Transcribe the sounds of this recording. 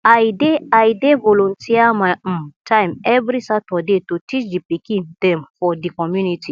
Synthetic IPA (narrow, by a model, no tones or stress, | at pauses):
ajdeajdevɔlɔ̃ntiamaj̩̃tʰãj̃mɛvɾisatɔdetutit͡ʃdipikĩndɛ̃mfɔdikɔmjuniti